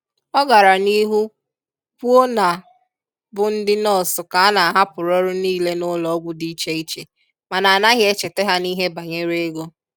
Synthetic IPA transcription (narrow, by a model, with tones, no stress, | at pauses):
ɔ˦ɡa˨ɾa˨ni˦ɦu˦ | pu˦o˦na˨ | bʊ˨n̩˦dɪ˦nɔ˦˨sʊ˨ka˨a˦na˨a˨ɦa˦pʊ˨ɾɔ˦ɾʊ˦niː˦le˦nʊ˦lɔ˨˦ɡʷʊ˦di˦t͡ʃe˦i˦t͡ʃe˨ | ma˨na˨a˨na˦ɣɪ˦e˦t͡ʃe˨te˦ɦa˦ni˦ɦe˦ba˨ɲe˦ɾe˦ɡo˦